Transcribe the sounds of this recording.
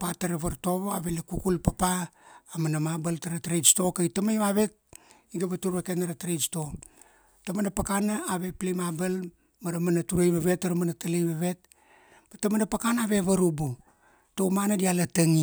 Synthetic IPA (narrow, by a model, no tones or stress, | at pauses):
pataɾaβaɾto̞βoaβelekukulpapaːmanamabaltaɾatɾesto̞kaitamajβaβe̞t̚ | iɡaβatuɾβakenaɾatɾesto̞ | tamanapakanaaβe̞plimabal | maɾamanatuɾejβaβe̞tːaɾamanatalejβaβe̞t̚ | batamanapakanaβeβaɾubu | towmanadialatəŋi